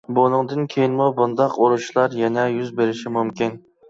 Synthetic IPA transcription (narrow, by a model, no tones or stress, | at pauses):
bonɨŋd̪ɨnkʲʰejinmubund̪ɑqoɾuʃlˠɑɾjɛnɛjyzbeɾɪʃimumkʲin